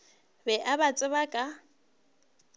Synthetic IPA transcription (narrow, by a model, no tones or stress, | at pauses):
bɛʔabat͡sʼɪβakʼa